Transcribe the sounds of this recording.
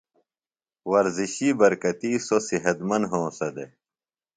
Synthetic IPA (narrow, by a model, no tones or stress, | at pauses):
wɐɾziɕiːbɐɾkɐt̪iːsosiɦɐt̪mɐnɦõːsɐd̪e